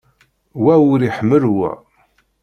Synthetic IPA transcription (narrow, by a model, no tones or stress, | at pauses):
wæwʊɾiħəmːəlwæ̰